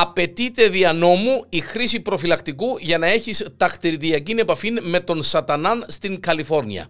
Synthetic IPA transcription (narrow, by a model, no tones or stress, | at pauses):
ɐpe̞t̪it̪e̞ðiɐno̞muixɾisipɾo̞filɐkt̪ikuʝɐnɐe̞çist̪ɐxt̪iɾðiɐcine̞pɐfinme̞t̪o̞nsɐt̪ɐnɐnst̪iŋkɐlifo̞ɾniɐ̰